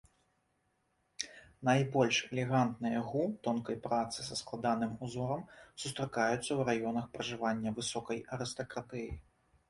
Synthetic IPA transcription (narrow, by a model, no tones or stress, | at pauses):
najbɔlʲʂɛlʲɛɣant̪nɨjɐɣut̪ɔnkɐjpɾat̪sɨsɐsklˠad̪an̪ɨmuzɔɾɐmsust̪ɾakajut̪sːɐwɾajɔnɐxpɾɐʐɨvanʲːɐvɨsɔkɐjɐɾɨst̪ɐkɾat̪ɛji